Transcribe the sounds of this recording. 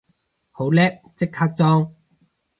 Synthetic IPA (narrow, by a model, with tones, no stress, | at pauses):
ho˨˥wlɛː˥k̚t͡sɪ˥kʰːaː˥k̚t͡sɔː˥ŋ